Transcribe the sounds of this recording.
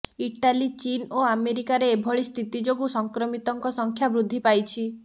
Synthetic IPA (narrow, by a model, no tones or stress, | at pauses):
iʈalit͡ʃinoameɾikaɾeːbʱɔɭist̪ʰit̪id͡ʒoɡusɔŋkɾɔmit̪ɔŋkɔsɔŋkʰjabɾud̪ʱːipajt͡ʃʰi